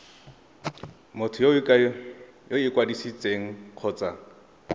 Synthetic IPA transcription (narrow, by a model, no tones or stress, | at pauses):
mʊtʰʊjo | joɪkʼwadisit͡sʼeŋ̩q͡χʰɔːt͡sʼa